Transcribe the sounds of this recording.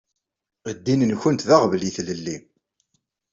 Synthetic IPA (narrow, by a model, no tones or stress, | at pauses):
əd̪ːinənçʊnt̪ðaʁvliθləlːi